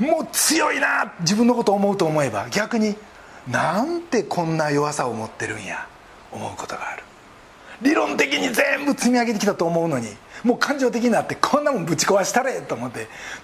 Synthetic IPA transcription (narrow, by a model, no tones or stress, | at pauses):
moːt͡sɨjo̞inad͡ʑibɯ̃nːo̞ko̞t̪oːmo̞ɯ̟t̪o̞ːmo̞e̞ba̰ɡʲakɯ̟ɲ̟i | nant̪e̞kʰõ̞nːajo̞βasaomo̞t̪ːe̞ɾɯ̟̃ɰ̃ja̰ | omo̞ɯ̟ko̞̥t̪oɡa̰ːɾɯ̟̥ | ɾʲiɾõ̞nt̪e̞kʲiɲ̟ize̞mbɯ̟t͡sɨmʲiaɡe̞t̪ekʲi̥t̪at̪o̞ːmo̞ɯ̟no̞ɲ̟imo̞ːkʰãɲ̟d͡ʑo̞ːt̪ekʲiɲinat̪ːe̞kʰõ̞nːamombɯ̟t͡ɕi̥koβaɕi̥t̪aɾet̪o̞ːmot̪ːe